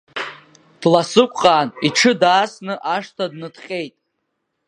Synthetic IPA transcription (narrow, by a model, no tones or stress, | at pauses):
d̥lasɨkʷʼqʼaːniʈ͡ʂʰɨdaːsnɨʔaʂtʰadnɨdχʲʼe̞jtʼ